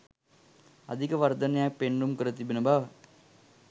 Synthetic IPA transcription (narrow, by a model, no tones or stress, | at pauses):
a̰d̪ʱikəʋɐɾd̪ɐnejak̚penɾumkəɾət̪ibenəbaʋ